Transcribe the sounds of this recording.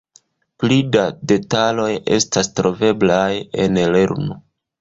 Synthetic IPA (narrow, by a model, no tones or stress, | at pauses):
plidade̞talo̞je̞̰stastɾo̞ve̞blaje̞nleɾno